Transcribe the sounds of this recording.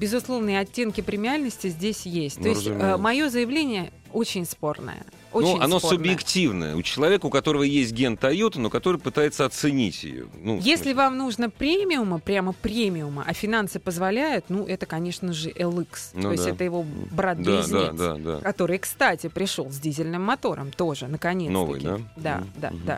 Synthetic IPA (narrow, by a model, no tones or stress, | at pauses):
bʲɪzʊslˠo̞vnɨəɐtʲːe̞nkʲɪpɾʲɪmʲɪalʲnəsʲtʲɪzʲdʲesʲjesʲt̪̚ʲoɪtʲːmɐjo̞zəjɪvlʲenʲɪjə | o̞t͡ɕɪnʲspo̞rnə̰jə̰ | onuɐnosʊb̪jɪktʲivnə̰jə̰ʊ̰t͡ɕɪlˠɐvʲekəʊkɐt̪o̞ɾəvəjesʲt̚ʲɡʲent̪ɐjut̪ənokɐt̪o̞ɾɨjpɨt̪ajɪt̪səɐt̪sɨnʲḭtʲjɪ̰jo̰nṵjesʲlʲɪvamnuʐnəpɾʲemʲɪʊməpɾʲaməpɾʲemʲɪʊmə̰ʔɐfʲɪnansɨpəzvɐlʲæjʊt̪nuʔɛt̪əkɐnʲe̞ʂnəʐɨʔɛlˠɨksoɪsʲtʲɛt̪əjɪvo̞bɾat̪d̪aiad̪a̰d̪a̰kɐt̪o̞ɾɨjkst̪atʲɪpɾʲɪʂo̞lˠzʲdʲizʲɪlʲnɨmːɐt̪o̞ɾə̰mt̪o̞ʐɨnəkɐnʲetn̰vɐɨ̰d̪a̰d̪a̰d̪a̰d̪a̰